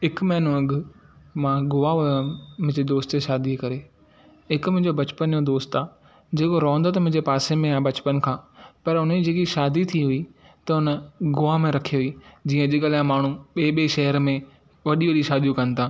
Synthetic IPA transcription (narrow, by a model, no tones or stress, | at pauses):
ɦɪkmɛɦɪnũɐɡɪmãɡʊʋaɦʊjãmʊ̃ɦɪ̃ɲd͡ʑed̪oːst̪eʃaːd̪ikɐɾe | ɦɪkmʊ̃ɪ̃d͡ʑobɐt͡ɕpənjod̪oːst̪aː | d͡ʑeːkoɾɔ̃ːə̃nd̪oːt̪mʊ̃ɦɪ̃ɲd͡ʑepaːsemẽãːbɐt͡ɕpənkʰãːpɐɾʊn̤d͡ʑeːkiʃaːd̪it̪ʰiɦʊi | t̪ɐʊnəɡʊʋamẽɾɐkʰiɦʊiːd͡ʑĩːə̃ʄɪɠalãmaːɳ̤ũɓeːɓeʃɐɦəɾmẽ | ʋɐɗiʋɐɗiʃaːd̪ijũkɐ̃nɪ̆t̪ʰãː